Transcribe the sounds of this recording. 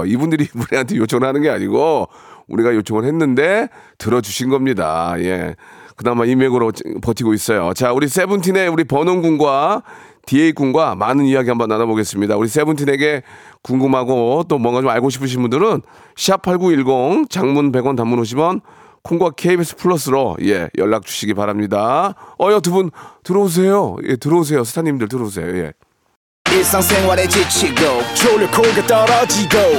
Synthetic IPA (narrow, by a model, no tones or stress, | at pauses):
ibundɯɾimuɾɦantʰejot͡ɕʰoŋɯɭhanɯnɡeaɲiɡoṵɾiɡajot͡ɕʰoŋɯɭɦe̞nːɯnde̞ | tɯɾʌd͡ʑuɕʰinɡʌmɲida̰je̞̰kɯdamaimeɡɯɾopʌtʰiɡois͈ʌjo̰t͡ɕauɾis̬͈ʰe̞bɯntʰine̞uɾipʌnonɡuŋɡwa | tieik͈uŋɡwamanɯnijaɡihambʌnːanaboɡe̞s͈ɯmɲidauɾis̬͈e̞bɯntʰine̞ɡe̞kuŋɡɯmɦaɡot͈omwʌŋɡat͡ɕomaɭɡoɕ̬ʰipʰɯɕ̬ʰinbundɯɾɯn | ɕʰiapʰaɭɡuiɭɡoŋt͡ɕaŋmunpe̞ɡwʌntamːunoɕ̬ʰimjʌn | kʰuŋɡwakʰeibis͈ʰɯ̥pʰuɭːʌs͈ɯɾo̰je̞̰jʌɭːak̚t͡ɕu̥ɕʰiɡipaɾamɲidaʌjʌtɯbuntɯɾʌus̬ʰe̞jojetɯɾʌus̬ʰe̞jos̬ʰɯ̥tʰaɲimdɯɭtɯɾʌus̬ʰe̞̰jo̰je̞̰ | isaŋseŋwaɾet͡ɕit͡ɕʰiɡot͡ɕʰolikʰolɡetʌɾʌt͡ɕiɡo